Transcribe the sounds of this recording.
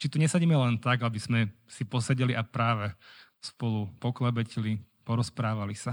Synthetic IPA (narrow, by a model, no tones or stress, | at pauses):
t͡ʃit̪uɲɛsaɟiːmɛlɛnt̪aɡabiz̥mɛsipɔsɛɟɛliʔapɾaːʋɛ | spɔlupɔklɛbɛcɛli | pɔɾɔspɾaːʋalisa